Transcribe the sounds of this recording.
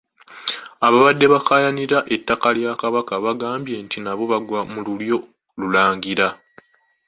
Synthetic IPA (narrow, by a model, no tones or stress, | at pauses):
aβaβadːe̞βakajaniɾaʔe̞tːakaljaːkaβakaβaɡaːmbje̞ːntinaβo̞βaɡwamululjo̞ | lulaːŋɡiɾa